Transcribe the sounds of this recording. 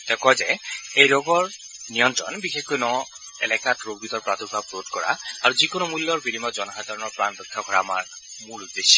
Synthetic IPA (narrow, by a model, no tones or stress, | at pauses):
tɛkɔzɛejɹoɡɔɹnijɔntɹɔ̰nbixexɔjnɔ | ɛ̰lɛkatɹoɡ̚bit̪ɔɹpɹat̪ubʱapɹotkɔɹa̰aɹuzikonɔmulːɔɹbiɾimɔzɔnɔxad̪ʱaɹɔnɔɹpɹanbɔkʰːaɡʱɔɹaːmaɹmulud̪esɔ